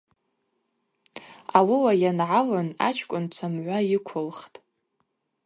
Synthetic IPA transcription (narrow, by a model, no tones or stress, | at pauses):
awiwajanʕalɨna̰t͡ʃʰkʷʼʊnt͡ʃʷʰamʕʷajɪkʷʰʊlχtʼ